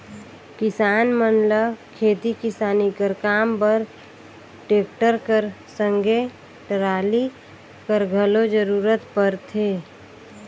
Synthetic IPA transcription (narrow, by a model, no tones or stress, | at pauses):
kɪsaːnmənləkʰeːt̪ikɪsaːnikəɾkaːmpəɾ | ʈeːk̚ʈəɾkəɾsəŋɡʱe | ʈəɾaːli | kəɾɡʱəlod͡ʒəɾuːɾət̪pəɾt̪ʰeː